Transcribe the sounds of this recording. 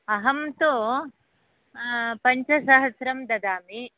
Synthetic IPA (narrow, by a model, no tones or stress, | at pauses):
ɐɦɐmt̪o | pɐɲt͡ʃɐsɐɦɐsɾɐmd̪ɐd̪aːmi